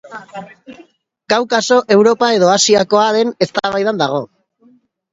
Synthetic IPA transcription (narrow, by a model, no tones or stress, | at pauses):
ɡ̥awkaso̞ʔe̞wɾo̞pae̞ðo̞asiako̞aðe̞ne̞st̪aβajðand̪aɣ̞o̞